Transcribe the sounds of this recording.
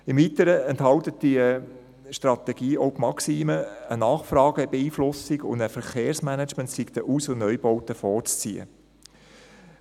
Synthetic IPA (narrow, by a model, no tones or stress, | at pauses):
ɪmvitəɾəɛnthɑltət̚d̥iə | ʃtrɑt̪ɛɡiːɔwpmɑksiːməənɑːχfrɑːɡ̥əb̥eiːflʊsɪɡʊ̰ndəfəɾχeːɾsmænət͡ʃməntsikt̪əʔuːsʊnœʏbɔwtəfɔːɾt͡st͡siːə̰